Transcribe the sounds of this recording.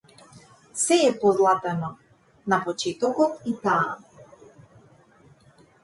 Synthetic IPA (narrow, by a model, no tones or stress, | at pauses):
sɛɛpɔzlˠat̪ɛnɔ | napɔt͡ʃɛt̪ɔkɔt̪it̪aː